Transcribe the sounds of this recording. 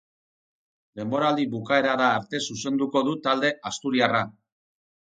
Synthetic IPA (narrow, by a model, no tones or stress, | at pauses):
d̪e̞mbo̞ɾald̪iβukae̞ɾaðaːɾt̪e̞suse̞nd̪uko̞ðut̪ald̪e̞ast̪uɾiara